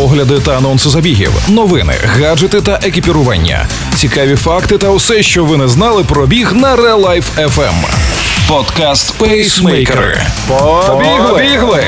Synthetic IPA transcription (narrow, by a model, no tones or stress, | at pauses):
pɔɦlʲɐd̪ɪt̪ɐːnɔnsɪzɐbʲiɦʲḭwnɔʋɪnɪ̰ɣad͡ʒɪt̪ɪt̪ɐʔekʲipʲiɾʊʋɑ̰nʲːɐ̰ | t͡sʲikɑʋʲifɑkt̪ɪt̪ɐwsɛʃt͡ʃɔʋɪnɛznɑlˠɪpɾɔbʲiɣnɐɾɛlˠajfɛfɛ̰m | pɔd̪kast̪pɛsmɛjjkɾɪ̰ | bʲiɦlˠbʲiɦlˠɪ